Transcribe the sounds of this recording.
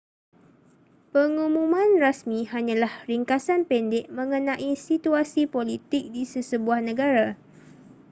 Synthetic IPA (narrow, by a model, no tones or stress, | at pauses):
pəŋũmũmãnrasmĩhaɲãlahɾiŋkasanpɛndɛʔ̚mə̃ŋənãʔisit̪uasipolit̪ɪk̚disəsəbuahnə̃ɡaɾa